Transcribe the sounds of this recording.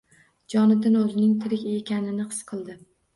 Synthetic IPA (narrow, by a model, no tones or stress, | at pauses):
d͡ʒɒnɪd̪ɪnɵzɪnɪŋt̪ʰɪɾɪkʲekʲanɪnɪqʰɨ̥sqʰɨlˠd̪ɪ